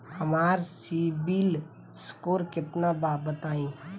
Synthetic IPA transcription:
həmaːɾsibil | skoːɾkɪt̪nabaːbət̪aːĩː

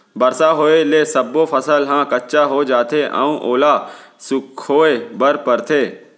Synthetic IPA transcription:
bɐɾsaɦoːeleːsɐbːopʰɐsəlɦãːkɐtːʃaɦod͡ʒaːt̪ʰeʔã̰ːũːʔoːlasʊkʰhoːebɐɾpɐɾt̪ʰeː

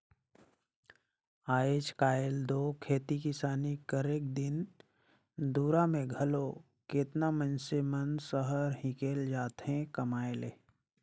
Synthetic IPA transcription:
aːeːt͡ʃkaːld̪oːkʰeːt̪ikɪsaːnikəɾeːk̚d̪ɪn | d̪uːɾamẽɡʱɐlo | ket̪namənsemənsəɦəɾɦɪ̃keːld͡ʒaːt̪ɦẽkɐmaːeleː

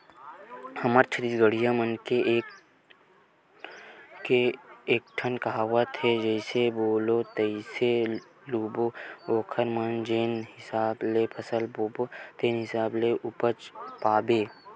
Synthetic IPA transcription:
hɐməɾt͡ʃʰəɾit̪ɡəɽijamənkeʔː | keːk̚ʈʰənkɐɦaːwat̪ʰed͡ʒəɪseboːlot̪ɐise | luːbooːkʰəɾmənd͡ʒeːnɦɪsaːblepʰəsəlboːbot̪eːnɦɪsaːbleʔʊpət͡ʃpaːbeː

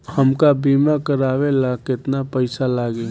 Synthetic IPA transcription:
həmkabiːmakəɾaːwelaːkɪt̪napəɪsalaːɡe

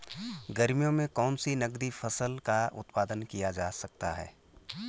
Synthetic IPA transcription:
ɡɐɾmijõmẽkɔːnsinɐɡd̪ifɐsəlkaʊ̰t̪paːd̪ənkijad͡ʒaːsɐk̚t̪aɦɛ̰ː

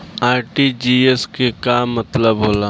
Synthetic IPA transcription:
aːɾʈid͡ʒiːeskekamːɐt̪ləbɦoːlaː

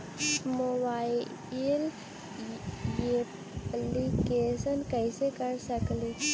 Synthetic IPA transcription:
mobai | l | e | plikesənkəjsekəɾsəkli

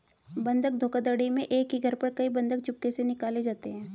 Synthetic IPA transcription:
bɐ̃nd̪ʱək̚d̪ʱoːkad̪əɽimẽʔeːkɦiɡʱəɾpɐɾkɐibɐ̃nd̪ək̚t͡ʃʊp̚kesenɪkaːled͡ʒaːt̪eɦɛ̃ː

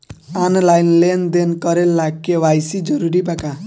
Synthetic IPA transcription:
anlajnlend̪enkɔɾelːakːewajsid͡ʒɔɾuɾipaka

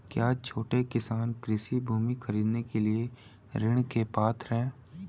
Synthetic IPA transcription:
kjaːt͡ʃʰoːʈekɪsaːnkɾɪsibʱuːmixɐɾiːd̪nekelie | ɾɪɽ̃kepaːt̪ʰɾɛ̃ː

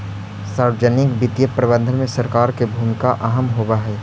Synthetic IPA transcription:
saːɾwd͡ʒənɪkbɪt̪ijəpɾɐbə̃nd̪ʱənmẽsɐɾkaːɾkebʱuːmɪkaʔaɦəmɦoːbaɦɛː

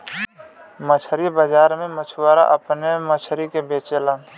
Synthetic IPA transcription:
mət͡ʃʰɾibəd͡ʒaːɾmẽmət͡ʃʰwaːɾa̰ʔəpnemət͡ʃʰəɾikebeːt͡ʃelaː

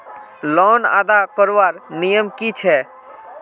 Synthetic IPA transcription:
lɔːna̰d̪akɔɾʋaɾnijəmkit͡ʃʰɛ

